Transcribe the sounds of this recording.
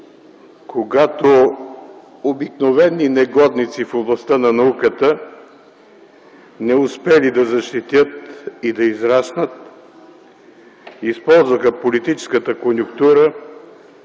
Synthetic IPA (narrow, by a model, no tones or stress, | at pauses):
kʰoɡat̪o | obiknovɛnːinɛɡɔd̪nit̪sifoblˠɐst̪ənɐnɐukət̪ə | nɛʊspɛlid̪ɐzɐʃt̪it̪jət̪id̪ɐizɾasnət̪ | ispɔlˠzvəxəpolit̪it͡ʃɛ̥skət̪əkonʲjʊkt̪uɾə